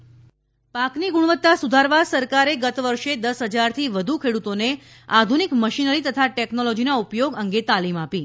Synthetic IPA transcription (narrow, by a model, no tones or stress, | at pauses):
pakniɡuɽ̃ʋət̪ːasud̪ʱaɾʋasəɾkaɾeɡət̪ʋəɾʃed̪əsɦəd͡ʒaɾt̪ʰiʋəd̪ʱukʰeɽut̪one | ad̪ʱunikməʃinəɾit̪ət̪ʰaʈɛknolɔd͡ʒinaupjoɡəŋɡet̪alimapi